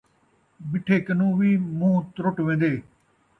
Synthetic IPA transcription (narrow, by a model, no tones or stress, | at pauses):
bɪʈʰːeːkənũːʋiːmũːt̪ɾʊʈʋẽːnd̪eː